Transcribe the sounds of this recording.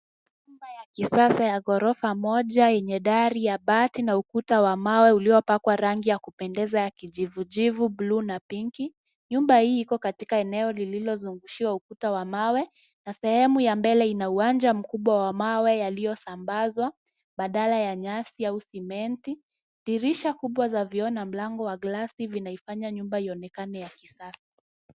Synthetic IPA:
ɲumbajakisasajaɡɔɾɔfamɔʄajɛɲɛɗaɾijaɓatinaukutawamawɛuliɔpakwaɾaŋɡijakupɛndɛzajakiʄivuʄivublunapiŋki | ɲumbahiːkɔkatikaɛnɛɔlililɔzuŋɡuʃiwaukutawamawɛ | nasɛhɛmujambɛlɛinauwand͡ʒam̩kuɓwawamawɛjalijɔsambazwa | ɓaɗalajaɲasiausimɛnti | ɗiɾiʃakuɓwazaviɔnam̩laŋɡɔwaɡlasivinaifaɲaɲumbaiɔnɛkanɛjakisasḁ

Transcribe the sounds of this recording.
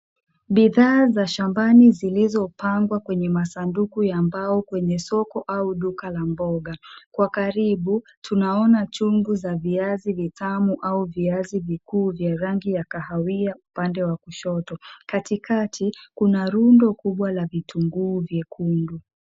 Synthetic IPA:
ɓiðaːzaʃambanizilizɔpaŋɡwakwɛɲɛmasandukujambaɔkwɛɲɛsɔkɔʔauɗukalambɔɠakwakaɾiɓutʰunaɔnat͡ʃuŋɡuzaviazivitamuʔauviazivikuːvjaɾaŋɡijakahawiaupandɛwakuʃɔtɔkatikʰatʰikunaɾundɔkuɓwalavitʰuŋɡuːvjɛkʰundu

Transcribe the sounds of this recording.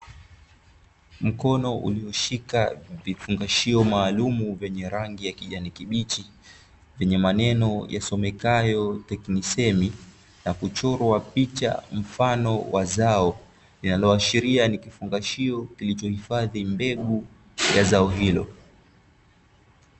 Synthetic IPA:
m̩kɔnɔʔṵliɔʃikavifuŋɡaʃiɔmaːlumuvɛɲɛɾaŋɡijakiʄanikiɓit͡ʃi | vɛɲɛmanɛnɔjasɔmɛkajɔtɛknisɛmi | nakut͡ʃɔɾwapit͡ʃa̰m̩fanɔwazaɔ | linalɔaʃiɾianikifuŋɡaʃiɔkilit͡ʃɔhifaðimbɛɠu | jazaɔɦilɔ̰

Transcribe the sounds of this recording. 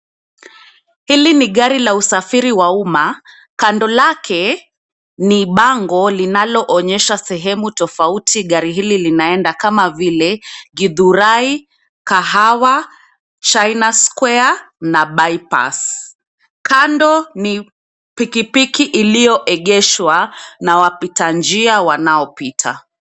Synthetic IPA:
hiliniɠaɾilausafiɾiwauma | kandɔlakʰɛ | niɓaŋɡɔlinalɔʔɔɲɛʃasɛɦɛmutɔfautʰiɠaɾiɦililinaɛndakamavilɛɡiðuɾai | kaɦawa | t͡ʃajnaskwɛanaɓaipa̰s | kandɔni | pikipikiʔilijɔʔɛɠɛʃwanawapitand͡ʒiawanaɔpitʰa̰

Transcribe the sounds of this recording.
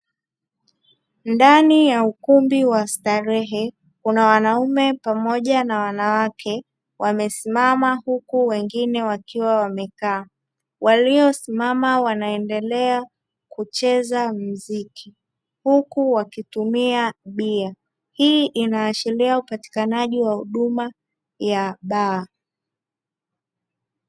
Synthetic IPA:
ndanijaukumbiwastaɾɛɦɛ | kunawanaumɛpamɔʄanawanawakʰɛ | wʔamɛsimamahukuwɛŋɡinɛwakiwawamɛkaː | wʔaliɔsimamawanaɛndɛlɛa | kut͡ʃɛzam̩ziki | hukuwakitumiaɓia | hiːʔinaːt͡ʃiliaupati̥kanaʄiwahuɗuma | jaɓaː

